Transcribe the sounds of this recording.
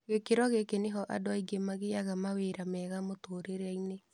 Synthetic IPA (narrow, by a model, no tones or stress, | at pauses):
ɣekeɾɔɣekeneɦɔʔa̰doaiɡemaɣeaɣamaweɾamɛːɣamotoɾeɾɛine